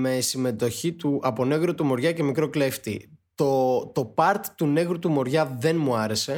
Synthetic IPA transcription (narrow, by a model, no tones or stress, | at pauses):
me̞sime̞t̪o̞çit̪uʔɐpo̞ne̞ɣɾot̪umo̞ɾʝɐce̞mikɾo̞kle̞ft̪ḭt̪ot̪o̞pɐɾt̪t̪une̞ɣɾut̪umo̞ɾʝɐðe̞nmuɐɾe̞se̞